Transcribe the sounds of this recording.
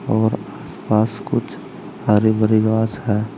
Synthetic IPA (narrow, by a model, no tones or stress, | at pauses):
ɔːɾaːspaːskʊt͡ʃʰ | haɾibəɾiɡaːsɦɛː